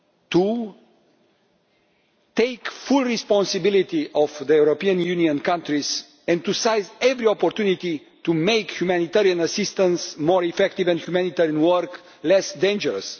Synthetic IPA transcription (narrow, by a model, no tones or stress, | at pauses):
t̪u | t̪ejkfulrispɔ̃nsibilit̪iʔɔvðəjuɾopiə̃njuniə̃nkãnt̪ɾiz | ɛ̃nt̪usajzɛvɾiɔpoɾt̪junit̪i | t̪umejkhjumaænit̪ɛɾiɐ̃nasist̪ə̃nsmoɾifɛkt̪ivɛ̃nhjumænit̪ɛɾiə̃nwəɾk | lɛsd̪ẽnd͡ʒəɾəs